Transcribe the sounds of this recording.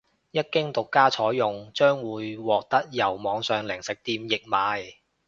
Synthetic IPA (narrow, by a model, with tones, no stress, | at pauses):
jɐ˥t̚kɪ˥ŋt̪ʊ˨kːaː˥t͡ʃʰɔː˨˥jjʊ˨ŋt͡ʃœː˥ŋwuː˨˧jwɔː˨k̚t̪ɐ˥k̚jɐ˨˩wmɔː˨˧ŋsœː˨ŋlɪ˨˩ŋsɪ˨˩k̚t̪iː˧mjɪ˨k̚maː˨˧j